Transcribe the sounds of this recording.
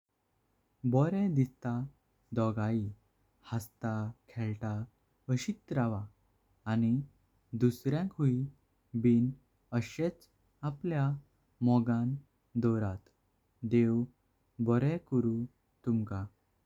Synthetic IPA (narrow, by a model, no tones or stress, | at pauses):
bɔɾɛd̪ist̪a | d̪ɔɡai | hast̪akʰɛɭʈa | əɕit̪ɾaʋaː | ni | d̪usɾjãkɦui | biːn | əɕet͡s | aplja | mɔɡãn | d̪ɔɾat̪ | d̪ew | bɔɾɛkəɾũ | t̪umka